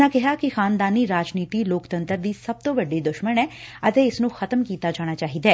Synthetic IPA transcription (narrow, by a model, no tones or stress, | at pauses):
akɛɦakixaːnd̪aːniɾaːd͡ʒniːt̪iloːkt̪ə̃nt̪əɾd̪isɐb̚t̪obɐɖːid̪ʊʃmənɛ̃ːɐt̪eɪsnũxɐt̪əmkiːt̪ad͡ʒaːñat͡ʃaːɦid̪ɛː